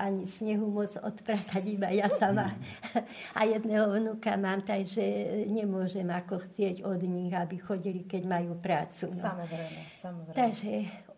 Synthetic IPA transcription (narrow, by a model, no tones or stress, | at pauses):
ʔaɲisɲɛɦumʊɔd͡zɔ̰t̪pɾat̪aɟibajasama | a̰jɛd̪nɛːɦɔʋnukamaːmt̪aɡʒɛɲɛmʊɔʒɛmakɔxt͡sɪɛɟɔd̪ɲiɣabixɔɟilikɛɟmajuːpɾaːt͡suamɔzɾɛmɛsamt̪aɡʒɛ